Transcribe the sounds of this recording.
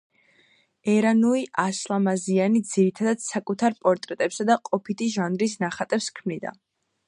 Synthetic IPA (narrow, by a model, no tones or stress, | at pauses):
ɛɾanuiʔaslˠamazianid̪ziɾit̪ʰad̪ad̪̥sakʼut̪ʰaɾpʼɔɾt̪ʼɾɛt̪ʼɛpsad̪aqʼɔpʰit̪ʰiʒanɾis̬naχat̪ʼɛpskʰmnid̪a̰